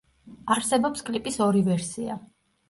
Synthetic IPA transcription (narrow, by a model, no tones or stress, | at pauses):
aɾsɛbɔpskʼlipʼisɔɾivɛɾsia